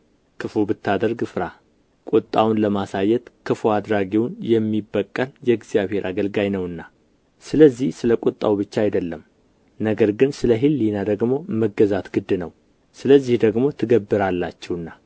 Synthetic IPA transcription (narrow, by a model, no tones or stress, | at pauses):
kʰɨfubɨt̪ʰːad̪əɾɡɨfɾa | kʼut̪ʼːawnləmasajːɛt̪kʰɨfoad̪ɾaɡewnjɛmːibːəkʼːəljɛɡzijaβhe̞ɾʔaɡəlɡajnəwɨnːa | sɨləzːihsɨləkʷʼut̪ʼːa̰wbɨt͡ʃːaajd̪əlːəm | nəɡəɾɡɨnsɨləɦɨlːinad̪əɡmo̞məɡəzat̪ɡɨd̪ːɨnəw | sɨləzːihd̪əɡmo̞t̪ʰɨɡəbːɨɾalːat͡ʃːɛwɨnːa